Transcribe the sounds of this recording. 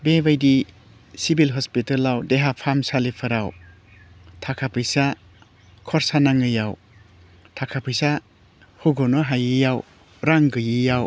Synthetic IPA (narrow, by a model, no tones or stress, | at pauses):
bebajdi | sibilɦɔspitalawdeɦapʰamsalipʰɐɾaw | tʰakʰapʰɯjsa | kʰɔɾsanaŋɯjaw | tʰakʰapʰɯjsa | huɡɔnɔɦajɯijaw | ɾaŋɡɯjijaw